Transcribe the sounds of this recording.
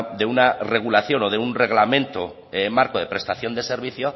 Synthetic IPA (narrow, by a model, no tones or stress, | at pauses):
d̪e̞unare̞ɣ̞ulaθjo̞no̞ðeunre̞ɣ̞lamẽ̞nt̪o | emaɾkoð̞e̞pɾe̞st̪aθjo̞nd̪e̞se̞ɾβ̞iθjo̞